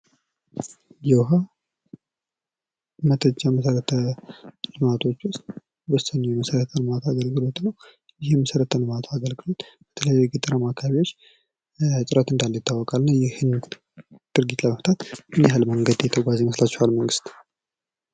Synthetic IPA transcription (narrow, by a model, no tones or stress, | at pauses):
jɛwɦə | mət̪ʰəd͡ʒːaməsəɾət̪ʰəlɨmat̪ʰo̞t͡ʃːwʊst̪ʼ | bəsənujɛməsəɾət̪ʰənɨmat̪ʰaaɡəlɡɨlo̞t̪nəw | jɪhjɛməsəɾət̪ʰənɨmat̪ʰaaɡəlɡɨlalb̥ət̪ʰələjajɛɡɨt̪ʼɨɾəmakʰaβiwo̞t͡ʃː | sʼɨɾat̪ɨnd̪alːəjɪt̪ʰːawːɔkʼalnːəwjɛhɨn | d̪̥ɨɾɡit̪ləməft̪ʰat̪ɨneɦalməŋɡəd̪jɛt̪ʰəɡʷazejməslat͡ʃːɛwalməŋɡɨst̪